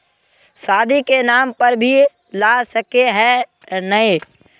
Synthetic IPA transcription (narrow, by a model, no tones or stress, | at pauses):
saːd̪ʱikenaːmpəɾbʱi | lasəkeɦɛ̃ | nəi